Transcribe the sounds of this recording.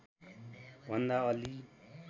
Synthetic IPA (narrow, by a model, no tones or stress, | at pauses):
bʱʌnd̪aʌli